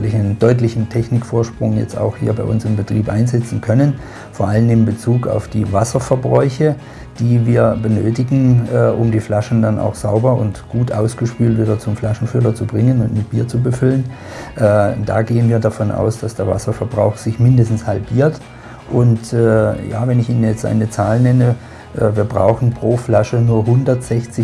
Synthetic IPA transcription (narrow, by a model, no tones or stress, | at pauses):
lɪçaɪnəndɔʏtlɪçn̩tʰɛçnɪkfoːɐʃpʁ̥ʊŋjɛ̰t͡sta̰ʊxhḭːɐbaɪʔʊnsɪmbətʁ̥iːpʔa̰ɪnzɛt͡sn̩kʰœnən | foːɐʔalənɪmbət͡suːka̰ʊfd̥iːvasɐfɛɐbʁɔʏçə | d̥iːviːɐbənøːtɪɡŋ̩ɛːʔʊmdiːflaʃn̩danʔa̰ʊxz̥aʊbɐʊntɡ̥uːtʔaʊsɡ̥əʃpyːltv̥iːdɐt͡sʊmflaʃn̩fʏlɐt͡subʁɪŋənʊntmɪt̚b̥iːɐt͡subəfʏlən | ʔɛːda̰ːɡeːənviːɐdafɔnʔa̰ʊsd̥asd̥eːɐva̰sɐfɛɐbʁa̰ʊxz̥ɪçmɪndəstn̩shalbiːɐt | ʔʊntɛːja̰ːvɛnɪçiːnənjɛt͡stʔa̰ɪnət͡saːlnɛnə | ʔɛːviːɐbʁa̰ʊxn̩pʁ̥oːflaʃənuːɐɦʊndɐtz̥ɛçt͡sɪ